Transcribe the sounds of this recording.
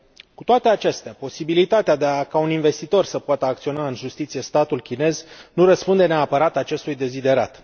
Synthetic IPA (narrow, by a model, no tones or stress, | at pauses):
kut̪oat̪e̞at͡ʃe̞st̪eapo̞sibilit̪at̪ead̪eakauninve̞st̪it̪o̞rsəpoat̪əak̚t̪sio̞naɨnʒust̪it̪sije̞st̪at̪ulkʲine̞znuɾəspund̪e̞neapəɾat̪at͡ʃe̞st̪ujd̪e̞zid̪e̞ɾa̰t̪